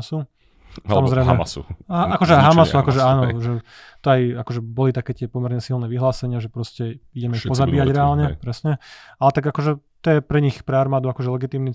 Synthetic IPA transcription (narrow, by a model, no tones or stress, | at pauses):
su | samɔzɾɛjmaɛ̰sṵaakɔʒɛɦamasuakɔʒɛaːnɔʒɛ | t̪ɔajakɔʒɛbɔlit̪akɛːt̪ɪɛpɔmɛɾɲɛsilnɛːʋiɦlaːsɛɲɪaʒɛpɾɔscɛiɟɛmɛixpɔzabiːjaɟɾɛaːlɲɛpɾɛsɲɛalɛt̪aɡakɔʒɛt̪ɔjɛpɾɛɲixpɾɛaɾmaːd̪uakɔʒɛlɛɡit̪iːmni